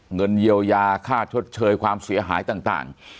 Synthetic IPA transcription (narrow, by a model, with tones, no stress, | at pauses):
ŋə˧nji˧əwjaː˧kʰaː˥˩t͡ɕʰo˦˥t̪̚t͡ɕʰɤː˧jkʰwaː˧msi˩˦əɦa̰ː˨˩˦jt̪aː˨˩ŋt̪a̰ː˨˩ŋ